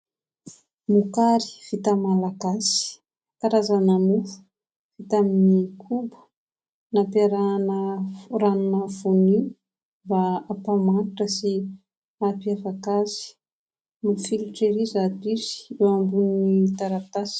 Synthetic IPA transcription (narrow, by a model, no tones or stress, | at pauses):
mukaɾi̥v̥it̪amalaɡasi̥ | kaɾazanamufu̥ | v̥it̪aminikʰumbu̥ | napaɾanəɾanunəfuni | baːpamanʈ͡ʂəsi | apiafakazi̥ | mufilʈ͡ʂeɾizad̪izi̥ewambunit̪aɾat̪asi̥